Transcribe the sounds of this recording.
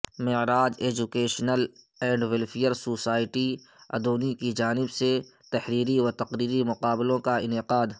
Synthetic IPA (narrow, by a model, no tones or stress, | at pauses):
mɪɾaːd͡ʒeːd͡ʒukeːʃnəl | ɛ̃ːɳɖwɪlfʰijəɾsoːsaːɪʈi | ɐ̰d̪oːnikid͡ʒaːnɪbset̪ɐhɾiːɾiɔɾt̪ɐqɾiːɾimʊqaːbɪlõkaɪnɪqaːd̪